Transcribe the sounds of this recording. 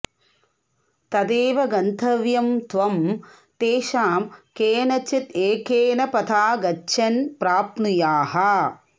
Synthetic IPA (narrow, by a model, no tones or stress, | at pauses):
t̪ɐd̪eːʋɐɡɐnt̪ʰɐʋjɐmt̪ʋɐm | t̪eːʃaːmkeːnɐt͡ʃit̪eːkeːnɐpɐt̪ʰaːɡɐt͡ʃːʃʰɐnpɾaːpnujaːɦɐ